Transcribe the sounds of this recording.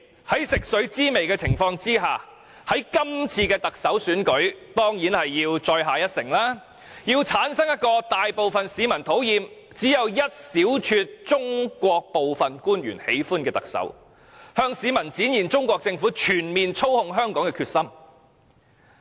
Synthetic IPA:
hɐ˨˥jsɪ˨k̚sɵ˨˥t͡siː˥me˨jkɛː˧t͡sʰɪ˨˩ŋfɔː˧ŋt͡siː˥ɦaː˨ | hɐ˨˥jkɐ˥mt͡sʰiː˧kɛː˧t̪ɐ˨k̚sɐ˨˥wsyː˨˥nkɵ˨˥ɥt̪ɔː˥ŋjiː˨˥nhɐ˨jːiː˧wt͡ʃɔː˧jɦaː˨jɐ˥t̚sɪ˨˩ŋlaː˥ | jiː˧wt͡sʰaː˨˥nsɐ˥ŋjɐ˥t̚kɔː˧t̪aː˨jpo˨wfɐ˨nsiː˨˧mɐ˨˩nt̪ʰo˨˥wjiː˨m | t͡siː˨˥jɐ˨˧wjɐ˥t̚siː˨˥wt͡ʃʰy˧t̚t͡sʊ˥ŋkʷɔː˧k̚po˨wfɐ˨nkuː˥njy̰ː˨˩nhḛ˨˥jfuː˥nkɛː˧t̪ɐ̰˨k̚sɐ̰˨˥w | hœː˧ŋsiː˨˧mɐ˨˩nt͡siː˨˥njiː˨˩nt͡sʊ˥ŋkʷɔː˧k̚t͡sɪ˧ŋfu˨˥t͡ʃʰyː˨˩nmiː˨nt͡sʰo˥whʊ˧ŋɦœː˥ŋkɔː˨˥ŋkɛ˧kʰyː˧t̚sɐ˥m

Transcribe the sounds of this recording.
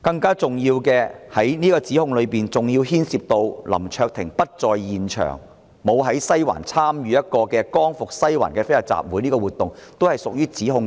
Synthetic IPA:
kɐ˧ŋkaː˥t͡sʊ˨˩ŋjiː˧wkɛː˧hɐ˨˥jniː˥kɔː˧t͡siː˨˥hʊ˧ŋlɵ˨˧piː˨nt͡sʊ˨˩ŋjiː˧wɦiː˥nsiː˨p̚t̪o˧wlɐ̰˨˩mt͡ʃʰœː˧k̚t̪ʰɪ˨˩ŋpɐ˥t̚t͡sɔː˨˧jːiː˨nt͡ʃʰœ̰ː˨˩ŋ | mo˨˧wɦɐ˨˥jsɐ˥jwa̰ː˨˩nt͡sʰaː˥mjyː˨˧jɐ˥t̚kɔː˧kɛː˧kɔː˥ŋfʊ˨k̚sɐ˥jwa̰ː˨˩nkɛː˧fe˥jɐ˨˩t̚t͡sa̰ː˨p̚wuː˨˥jniː˥kɔː˧wuː˨˩t̪ʊ˨ŋt̪o˥whɐ˨˩jsʊ˨k̚jyː˥t͡siː˨˥ɦʊ˧ŋ

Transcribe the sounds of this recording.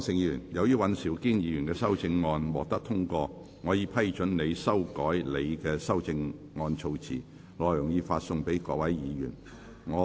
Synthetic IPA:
sɪ˧ŋjyː˨˩njɐ˨˧wjyː˥wɐ˨˥nsiː˨˩wkiː˥njiː˨˧jy˨˩nkɛː˧sɐ˥wt͡sɪ˧ŋːɔː˧nwɔː˨k̚t̪ɐ˥k̚t̪ʰʊ˥ŋkɔː˧ | ŋɔː˨˧jiː˨˧pʰɐ˥jt͡ʃɵ˨˥nne˨˧jsɐ˥wkɔː˨˥jle˨˧jkɛː˧sɐ˥wt͡sɪ˧ŋ | ŋɔː˧nt͡sʰo˧wt͡sʰḭː˨˩ | lɔː˨˧jjʊ˨˩ŋjiː˨˧faː˧t̚sʊ˧ŋpe˨˥jkɔː˨˧wɐ˨˥jjiː˨˧jyː˨˩n | ŋɔː˨˧

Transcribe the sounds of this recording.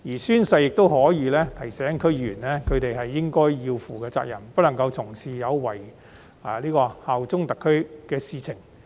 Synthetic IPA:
jiː˨˩syː˥nsɐ˧jɪ˨k̚t̪o˥whɔː˨˥jiː˨˧lɛː˥t̪ʰɐ˨˩jsɛː˨˥ŋkʰɵ˥jyː˨˩nlɛː˥kʰɵ˨˧ɥt̪e˨jɦɐ˨jːɪ˥ŋkɔː˥jiː˧wfuː˨˩kɛː˧t͡sa̰ː˧k̚jɐ˨˩npɐ˥lɐ˨˩ŋkɐ˧wt͡sʰʊ˨˩ŋsiː˨˩jɐ˨˧wwɐ˨˩j | liː˥kɔː˧haː˨wt͡sʊ˥ŋt̪ɐ˨kʰːɵ˥ɥkɛː˧siː˨t͡sʰɪ˨˩ŋ

